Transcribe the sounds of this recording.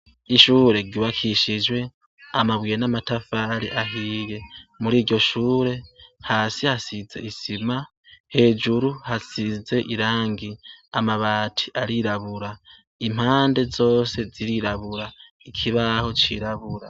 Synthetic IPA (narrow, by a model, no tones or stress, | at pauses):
iʃuːɾe̞ɡiβakʰiʃid͡ʒwe̞ | amaβwiːjenamatafaɾḭʔaɦiːje̞muɾiːɾɟo̞ʃuːɾe̞haːsihasize̞̰isima | he̞ːd͡ʒuɾuhasize̞ʔiɾaːŋɡiamaβaːtʰi̥ʔaɾiɾaβuɾa | im̥haːnde̞zo̞ːse̞ziɾiɾaβuɾa | ikʰiβaho̞t͡ʃḭɾaβuɾa